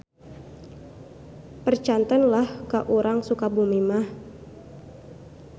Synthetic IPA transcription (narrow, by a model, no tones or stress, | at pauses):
pərt͡ʃant̪ənlahkaʔuɾʔaŋsukabumimah